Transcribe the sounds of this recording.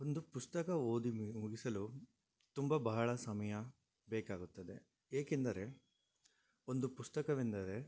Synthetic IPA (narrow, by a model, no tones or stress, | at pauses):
o̞nd̪upust̪ɐkɐoːd̪imuɡisɐlu | t̪umbɐbɐɦɐɭɐsɐmɐjɐ | beːkaːɡut̪ːɐd̪e̞ | eːkend̪ɐɾe̞ | o̞nd̪upust̪ɐkɐʋind̪ɐɾe̞